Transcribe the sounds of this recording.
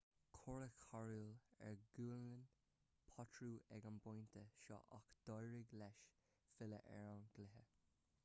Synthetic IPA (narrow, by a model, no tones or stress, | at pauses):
kʰɔɹəkʰaɹulɛ̰ɹɡuːlən | pʰɔtʰɹuːɛɡanbɔjntʰəʃɔ̰ʔakd̪̥ɔjɹɪɡlɛʃ | fɪlə̰ʔɛɹanɡ̥lɪɦə